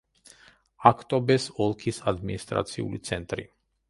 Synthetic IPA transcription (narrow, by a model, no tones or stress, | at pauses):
akʰt̪ʼɔbɛsɔlˠkʰisad̪minist̪ʼɾa̰t̪sʰiṵlit̪sʰɛnt̪ʼɾḭ